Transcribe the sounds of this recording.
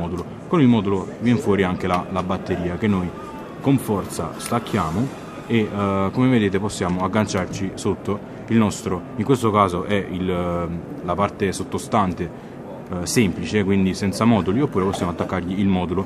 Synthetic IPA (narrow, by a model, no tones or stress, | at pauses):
ɔːd̪ulo | konilmɔːd̪ulovjɛnfwɔːɾiaŋk̟elalabat̪ːeɾiːak̟enːoj | koɱfɔrt̪sa̰st̪akːjaːmo | ekomeved̪eːt̪eposːjaːmoaɡːant͡ʃart͡ʃisot̪ːo | ilnɔst̪ɾoiŋkwest̪okaːzoʔɛil | lapart̪esot̪ːost̪ant̪e | sɛmplit͡ʃekwind̪isɛnt̪samɔːd̪uliopːuːɾeposːjaːmoat̪ːakːarʎiilmɔːd̪ulo